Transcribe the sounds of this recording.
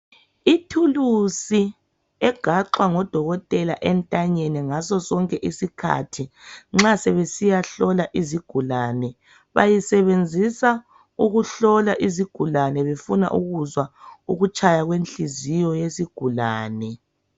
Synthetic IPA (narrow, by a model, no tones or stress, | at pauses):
itʰulusi | ɛɡ̥ʱaǁwaŋɔd̥ʱɔɣɔtʼɛlaʔɛntʼaɲɛnɛŋasɔsɔŋkʼɛʔisikʰa̰tʰiŋ͡ǁasɛβesijaɬɔlaʔiziɡ̥ʱulanɛ | βa̰jisɛβend͡zʱisa | uɣuɬɔlaʔiziɡ̥ʱulanɛβefuna̰ʔuɣuzwauɣut͡ʃʰʼajaɣwent͡ɬizijɔjesiɡ̥ʱulaːnɛ